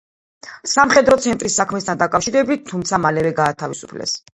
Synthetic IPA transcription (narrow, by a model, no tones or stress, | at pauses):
samχɛd̪ɾɔt̪sʰɛnt̪ʼɾisːakʰmɛst̪ʰand̪akʼafʃiɾɛbit̪̚tʰːumt̪sʰamalɛvɛɡaːt̪ʰavisu̥pʰlɛ̰s